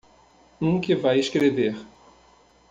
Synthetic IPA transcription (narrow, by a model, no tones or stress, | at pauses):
ũkɪvajeskɾeveɾ